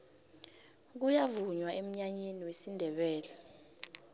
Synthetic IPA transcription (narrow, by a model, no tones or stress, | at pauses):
k̬ujavuɲwaʔem̩ɲaɲeniwesindʱɛɓɛːlɛ